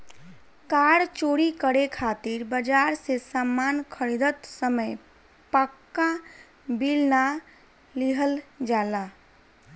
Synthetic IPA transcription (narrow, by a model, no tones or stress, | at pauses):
kaɽt͡ʃoɽikəɽekʰat̪iɾbəd͡ʒaɾsesamːankʰəɾid̪ət̪səməj | pəkːã | bilna | liɦəld͡ʒala